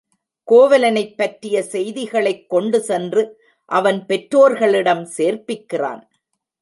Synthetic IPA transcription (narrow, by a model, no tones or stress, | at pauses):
koːʋɐlɐnɐɪpːɐʈɾɪjɐsɛjðɪɣɐɭɐɪkːɔɳɖɯsɛndrɯ | ʔɐʋɐnpɛʈɾoːɾɣɐɭɪɽɐmseːɾpɪkːɪra̰ːn